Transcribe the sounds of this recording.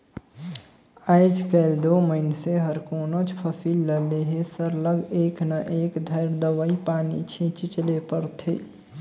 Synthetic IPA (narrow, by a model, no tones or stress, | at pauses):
aːɪd͡ʒkəld̪oːməɪnseɦəɾkoːnod͡ʒpʰəpʰiːlːəleɦesəɾləɡeːknaʔeːkd̪ʱəɪɾd̪əʋəipaːnḭt͡ʃʰĩt͡ʃit͡ʃəlepəɾt̪ʰḛː